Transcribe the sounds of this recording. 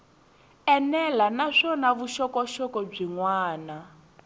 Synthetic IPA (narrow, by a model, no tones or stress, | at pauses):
ɛnɛlanaʂɔnaβuʃɔkɔʃɔkɔb͡ʐiŋwaːna